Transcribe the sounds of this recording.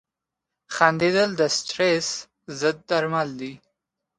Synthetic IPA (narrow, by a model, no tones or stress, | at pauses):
xand̪ed̪əld̪əst̪ɾes | zəd̪̚ːaɾmald̪i